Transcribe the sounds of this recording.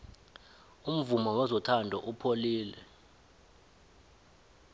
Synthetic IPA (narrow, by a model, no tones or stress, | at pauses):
um̩vumɔwɛzɔtʰandʱɔʔupʰoliːlɛ̰